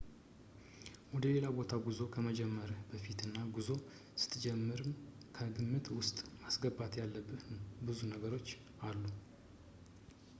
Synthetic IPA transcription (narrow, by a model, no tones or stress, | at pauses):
wɔd̪əle̞labo̞t̪ʰaɡuzo̞kʰəməd͡ʒɛmːəɾbəfit̪ɨnːaɡuzo̞ | sɨ̥t̪ʰːd͡ʒɛmːɨɾɨmkʰəɡɨmːɨt̪wʊst̪ʼmasɡəbat̪jalːəbːɨbɨzunəɡəɾo̞t͡ʃː | alːu